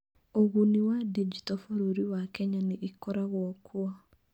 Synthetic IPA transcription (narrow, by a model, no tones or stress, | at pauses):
oɣuniwadid͡ʒitɔfoɾoɾiwakɛɲaneʔikɔɾaɣwɔkʰwa